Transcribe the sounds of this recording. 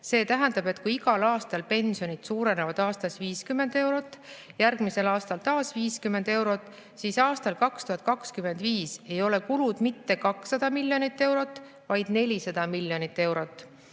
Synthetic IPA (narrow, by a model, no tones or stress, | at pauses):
se̞ːt̪æɦænd̪̥ɑb̥e̞t̪kujiɡɑlɑːst̪ɑlpe̞nsio̞nid̪̥suːɾe̞ne̞vɑd̪̥ɑːst̪ɑsviːskymːe̞nd̪e̞wɾo̞t̪ːˑjærɡ̥mise̞lɑːst̪ɑlt̪ɑːsviːskymːend̪e̞wɾo̞t̪ːˑ | sisɑːst̪ɑlkɑkst̪uɦɑt̪̚ˑkɑkskyme̞nd̪̥viːse̞jo̞le̞kulud̪̥mit̪ːe̞kɑksːɑd̪̥ɑmilʲːjo̞nit̪ːe̞wɾo̞t̪ˑː | vɑjd̪̥ne̞lʲisɑd̪̥ɑmilʲjo̞nit̪ːe̞wɾo̞t̪ːˑ